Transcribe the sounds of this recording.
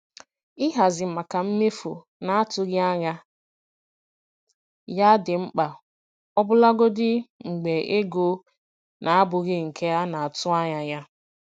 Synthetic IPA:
ɪ˦ɦa˨zɪ˨m̩˨ma˨ka˨m̩˦me˦fṵ˨ | na˨a˦tʊ˨ɣɪ˦a˦ɲa˦ | ja˦dɪ˨ŋ͡m̩˦k͡pa˨ | ɔ˦bʊ˦la˦ɡo˦dɪ˦ŋ͡m̩˨ɡ͡be˨e˦ɡo˦ | nʔa˨a˦bʊ˨ɣɪ˦ŋ̩˨kʰe˦a˦na˨a˨tʊ˦a˦ɲa˨ja˦

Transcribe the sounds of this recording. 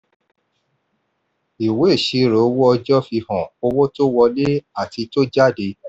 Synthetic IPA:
i˨we˨˦˨ʃi˨˧ɾo˨˧˦wɔ˦ɔ˧d͡ʒɔ˦fi˧hɔ̃˨o˧wɔ˦to˦wɔ˧le˦a˦˨ti˧to˦d͡ʒa˦˨de˧

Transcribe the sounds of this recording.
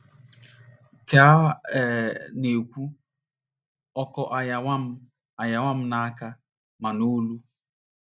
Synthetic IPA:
ke˨a˦ɛ˨ne˨kʷu˦ | ɔ˦kɔ˦ʔa˦ja˨a˦m̩˦ | a˨ja˨ŋʷa˦m̩˦na˦a˦ka˦ | ma˨no˦lu˦

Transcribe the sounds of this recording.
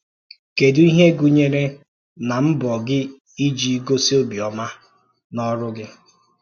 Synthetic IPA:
ke˨du˦i˦ɦe˦ɡu˨ɲe˦ɾe˦ | na˨m̩˦bɔ˨ɡɪ˦ | i˦d͡ʒi˦ɡo˦si˦o˦bi˨ɔ˨ma˦ | nɔ˦ɾʊ˦ɡɪ˦

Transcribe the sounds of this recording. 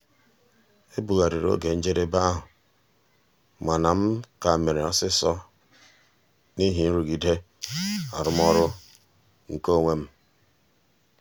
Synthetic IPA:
e˦bu˨ɣa˨ɾi˨ɾo̰˦ɡe˨n̩˦d͡ʒe˦ɾe˦ba˦ɦʊ˨ | ma˨na˨m̩˦ka˨me˨ɾe˨ɔ˦sɪ˦sɔ˦ | ni˦ɦi˨n̩˦ɾu˨ɡi˨de˦ | a̰˨ɾʊ˦m˦ɔ˦ɾʊ˦ | ŋ̩˨ko˦˨ŋʷe˦m̩˦

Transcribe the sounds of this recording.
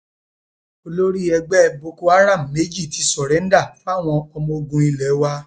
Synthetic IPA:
o˧lo˦ɾi˦ɛ˧ɡ͡bɛ˦˧˨bo˧ko˧a˦ɾa˦˨m̩˨me˨˦d͡ʒi˦˨ti˨˧˦sɔ˨ɾɛ˨˦n̩˦da˦˨fa˦˨w̃ɔ̃˧ɔ˧mɔ̃˧o˧ɡũ˧i˧lɛ˨˦wa˧

